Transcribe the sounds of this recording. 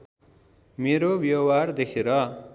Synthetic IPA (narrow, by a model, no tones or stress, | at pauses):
meɾobjʌward̪ekʰeɾʌ